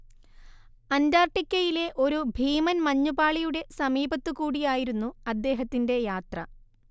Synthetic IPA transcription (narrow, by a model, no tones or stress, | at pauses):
ɐndaːrʈːikʲːɐjile̞ʔo̞ɾubʱiːmɐnmɐɲːubaːɭijuɽe̞sɐmiːbɐt̪ːɨkuːɽijaːjiɾunːuɐd̪ːe̞ːɦɐt̪ːinde̞jaːt̪rɐ̰